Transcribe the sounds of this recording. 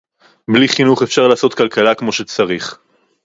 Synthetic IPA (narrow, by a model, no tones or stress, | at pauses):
bliχinuχefʃaʁlaːso̞t̪kalkalakmo̞ʃet͡saʁiχ